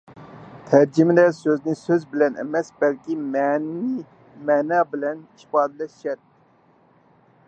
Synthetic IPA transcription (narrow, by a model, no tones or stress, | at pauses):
t̪ʰæɾd͡ʒimd̪ɛsøznisøzbilɛnɛ̰mɛsbɛlkʲimni | mɛnabilɛniʃpɑːd̪lɛʃʃɛt̪̚